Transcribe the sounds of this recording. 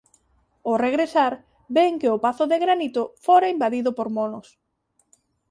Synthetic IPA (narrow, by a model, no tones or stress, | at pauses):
oreɣɾesaɾ | beŋkeʊpaθʊðeɣɾanit̪ʊfoɾaimbaðiðʊpoɾmonos